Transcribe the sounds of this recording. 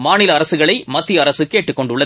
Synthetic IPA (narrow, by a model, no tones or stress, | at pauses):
maːnɪlɐɐɾɐsɯɣɐɭɐɪmɐt̪ːɪjɐɾɐsɯkeːʈːɯkːɔɳɖʊɭːɐ